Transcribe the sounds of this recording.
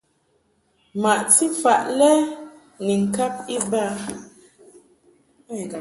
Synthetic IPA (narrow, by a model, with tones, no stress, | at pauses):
ma˨ʔti˦fa˨ʔlɛ˦ | ni˨ŋ̩˨ka˦p̚i˦ba˦˨